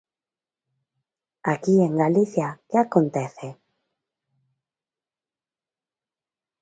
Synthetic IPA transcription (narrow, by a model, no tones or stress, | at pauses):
akieŋɡaliθjakeakont̪eθe